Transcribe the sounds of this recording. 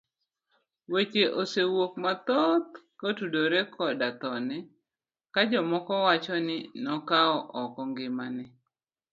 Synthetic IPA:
wet͡ʃeʔosewok̚mat̪ɔt̪̚kotudoɾekʰɔdat̪ɔnɛ | kad͡ʒɔmɔkɔwat͡ʃɔnɪnɔkaɔʔɔkɔŋɡɪmanɛ

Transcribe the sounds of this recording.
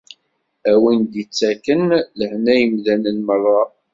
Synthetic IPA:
æwind̪it͡sːækənləhnæjəmðænənmərˤːɑ

